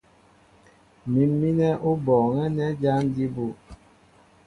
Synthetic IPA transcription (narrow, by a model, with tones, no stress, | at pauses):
mi˨mːi˦nɛ˦ʔu˦bɔː˨ŋɛ˦nɛ˦d͡ʒa˦n˦di˦bu˦˨